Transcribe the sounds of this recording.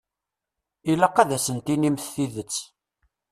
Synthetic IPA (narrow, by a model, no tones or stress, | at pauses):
ilæqːæðæsənt̪inimθθiðət͡sː